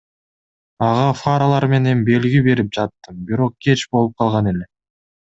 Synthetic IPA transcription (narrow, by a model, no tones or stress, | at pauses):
ɑʁɑfaɾalˠɑɾme̞ne̞mbe̞lɡibe̞ɾip̚d͡ʒɑt̪ːɯmbiɾo̞q̚ɡe̞t͡ʃbo̞lˠup̚qʰɑlˠʁɑne̞le̞